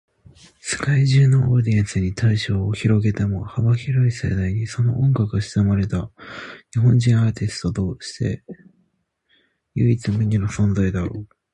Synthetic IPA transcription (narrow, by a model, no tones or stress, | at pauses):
sɨ̥kaiʑɨːno̞ʔoːd̪iãnsɨɲ̟it̪aiɕo̞ːçiɾo̞ɡe̞t̪e̞mo̞habaçiɾo̞ise̞̰d̪aiɲ̟iso̞no̞ʔõŋɡakɯɕi̥zɨmaɾe̞t̪aɲiɦõ̞ɲd͡ʑĩɰ̃aːt̪ʲisɨ̥t̪o̞t̪o̞ːɕi̥t̪e̞̰ | jɯit͡sɨmʲiɲ̟inosõ̞nzaid̪a